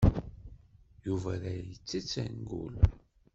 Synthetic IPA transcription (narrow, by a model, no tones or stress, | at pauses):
juvæɾæjət͡sːit͡sːæ̰nɡṵl